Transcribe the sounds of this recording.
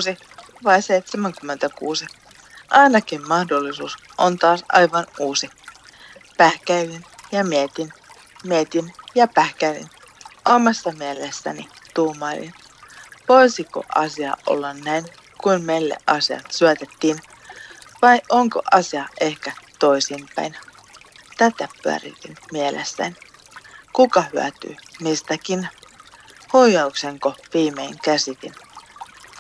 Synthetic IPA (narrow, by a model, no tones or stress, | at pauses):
si | ʋɑjseijt̪semæŋkymːent̪ækṵːsi | ʔɑinɑkimmɑhdolːisuːs | ʔont̪ɑːsɑ̰jʋɑnuːsi | pæhkæilinjɑmiet̪in | miet̪injɑpæhkæilḭn | ʔomɑsːɑmielesːæ̰nit̪uːmɑɾḭn | ʋoisiko̰ʔɑ̰siɑ̰ʔo̰lːɑnnæijn | kuinmeilːḛʔʔɑsiɑ̰t̪syæt̪et̪ːiːn | ʋɑjʔoŋko̰ʔɑsiɑʔe̞hkæt̪oisiːmpæjn | t̪æt̪æpyæ̰rḭk̪inmielʔḛsːæ̰ni | kukɑhyæ̰t̪y̰ːmist̪ækin | hujɑukseŋkoʋiːmeːŋkæsit̪in